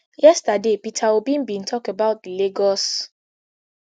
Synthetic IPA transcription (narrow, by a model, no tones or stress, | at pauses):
jɛstadepitʰawubĩnbĩntʰɔkebaʊt̚dileɡɔs